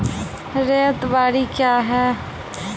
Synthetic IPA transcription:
ɾeːt̪baːɾikjaːɦɛː

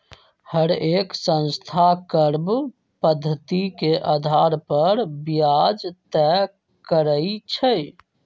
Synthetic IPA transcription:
həɾeksə̃nst̪ʰakəɾb | pəd̪ʱːət̪ikeʔad̪ʱaɾpəɾbijad͡ʒt̪ɛ | kəɾəit͡ʃʰəj

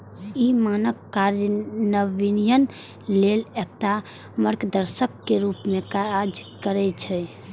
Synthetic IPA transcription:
imanəkːaɾd͡ʒnəʋinijən | lelekt̪a | məɾkd̪əɾsəkːeɾupmekaad͡ʒkəɾɛt͡ʃʰɛ

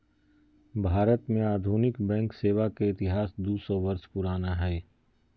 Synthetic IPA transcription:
bʱaːɾət̪mẽaːd̪ʱuːnɪkbɛ̃ːŋkseːʋakeɪt̪ɪɦaːsd̪uːsɔʋɐɾʃpʊɾaːnaɦɛː

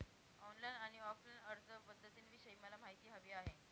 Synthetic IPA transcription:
ɔnlajnaɽ̃iɔflajnəɾd͡zəpəd̪ʱːət̪iːnʋiɕəiməlam̤aɦjt̪iːɦəʋiːaɦe

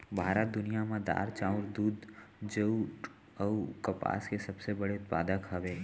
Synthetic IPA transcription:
bʱaːɾad̪ʊnijamãd̪a̰ɾt͡ʃauɾd̪ud̪d͡ʒeuʈ | əukəpa̰skesəbsebəɽeʊt̪̚pa̰d̪əkɦəʋe

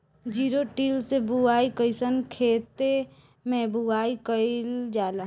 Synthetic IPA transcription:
d͡ʒiːɾoʈiːlsebʱuaːikəɪsənkʰeːt̪e | mɛ̃bʱuaːikəɪld͡ʒaːla

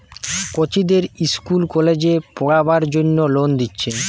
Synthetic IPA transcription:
kot͡ɕid̪eɾiskulkɔled͡ʑepɔɽabaɾd͡ʑonːolond̪itːɕʰe

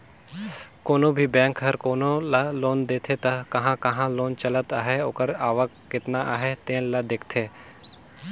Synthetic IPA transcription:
koːnõbʱibɛ̃ːŋkɦəɾkoːnolaloːnd̪eːt̪ʰet̪ɐkɐɦãkɐɦãloːnt͡ʃɐlət̪aːɦeoːkəɾaːʋəkːɪt̪naʔa̰ːɦet̪ẽːnlɐd̪eːkʰt̪ʰeː

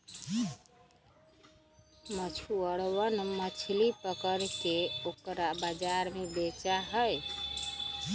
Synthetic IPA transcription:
mət͡ʃʰuəɽwənmət͡ʃʰlipəkəɾkeokɾabəd͡ʒaɾmebet͡ʃaɦəj

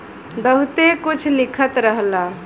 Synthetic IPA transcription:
bəɦut̪ekut͡ʃʰlikʰət̪ɾəɦla

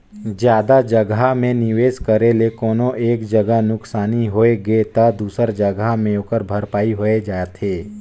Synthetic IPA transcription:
d͡ʒjaːd̪ad͡ʒəɡamẽnɪʋeːskəɾelekɔːnõʔeːkd͡ʒəɡəɦnʊksaːniɦoːeɡet̪ɐd̪uːsəɾd͡ʒəɡamẽoːkəɾbʱɐɾpaːiɦoed͡ʒaːet̪ʰeː

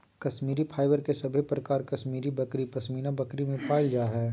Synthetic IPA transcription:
kɐsmiːɾipʰaːɪʋəɾkesɐbʱepɾɐkaːɾkɐʃmiːɾibɐkɾipɐsmiːnãbɐkɾimẽpaːɪld͡ʒaːɦɛː

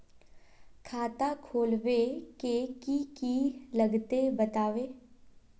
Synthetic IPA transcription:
kʰaːt̪akʰoːlʋekekikilɐɡt̪ebɐt̪aːʋeː

